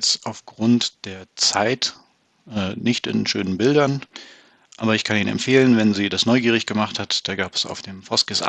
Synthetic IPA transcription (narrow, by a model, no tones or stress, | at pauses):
saʊfɡ̥ʁʊntd̥eːɐt͡saɪt | ɛːnɪçtɪ̰nʃøːnənbɪldɐn | ʔa̰ːbɐɪçkʰaniːnɛ̰mpfeːlənvɛnziːdasnɔʏɡiːʁ̞ɪçɡ̥əmaχthatd̥aːɡaːpə̥sa̰ʊfd̥eːmfɔskɪsʔa̰